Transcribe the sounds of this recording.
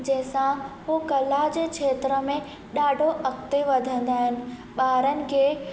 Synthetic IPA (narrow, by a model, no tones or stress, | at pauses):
d͡ʑɐ̃ɦɪ̃sãɦukɐlad͡ʑekʃʰeːt̪ɾəmẽ | ɗaːɖʱoʔɐkt̪eʋɐd̪ʱə̃nd̪aːɦɪnɪ̆ɓaːɾənɪ̆ke